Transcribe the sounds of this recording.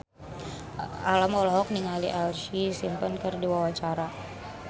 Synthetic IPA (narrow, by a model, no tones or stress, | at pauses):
alamɔlɔɦɔk̚niŋaliʔalʃisimpənkərdiwawat͡ʃaɾa